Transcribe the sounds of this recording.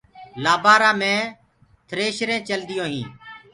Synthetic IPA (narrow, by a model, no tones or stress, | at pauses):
laːbaːɾãːmẽː | t̪ʰəɾeːʃɾẽːt͡ʃəld̪ɪjõːɦĩː